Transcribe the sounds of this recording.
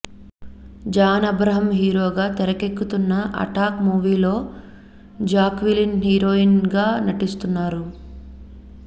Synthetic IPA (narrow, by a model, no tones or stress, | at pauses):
d͡ʒaːnɐbɾɐɦɐmɦiːɾoːɡaːt̪ɛɾɐkekːut̪unːɐʔɐ̰ʈaːkmuːʋiːlo̞ː | d͡ʒaːkʋilinɦiːɾoːinɡaːnɐʈist̪unːaːɾu